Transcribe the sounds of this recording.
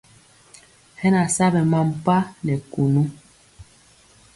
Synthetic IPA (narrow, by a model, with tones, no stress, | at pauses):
hɛ˦na˨sa˦bɛ˨ma˦m˨pa˦nɛ˨ku˨nu˦